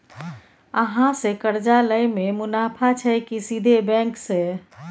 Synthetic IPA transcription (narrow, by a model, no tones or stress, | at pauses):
əɦãsekəɾd͡ʒaləjmemunapʰat͡ʃʰəjkisid̪ʱebɛ̃ŋkse